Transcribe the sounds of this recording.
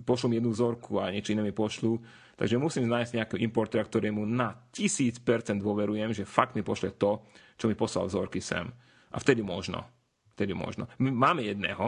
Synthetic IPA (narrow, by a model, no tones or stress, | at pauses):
pɔʃlɔmjɛd̪nuzɔɾkʰuaɲɪɛt͡ʃɔinɛːmipɔʃluː | t̪a̰ɡʒɛmusiːmznaːjsz̥ɟɲɛakɛːɦɔimpɔɾt̪ɛːɾakt̪ɔɾɛːmunacisiːt͡spɛɾt͡sɛnd̪ʋʊɔʋɛɾujɛmʒɛfak̚t̪mipɔʃlɛt̪ɔt͡ʃɔmipɔsla̰lzɔɾkisɛ̰m | ʔaft̪ɛd̪imɔʒnɔ̰ | ft̪ɛd̪imɔ̰ʒnɔ̰mimaːmɛjɛd̪nɛ̰ːɦɔ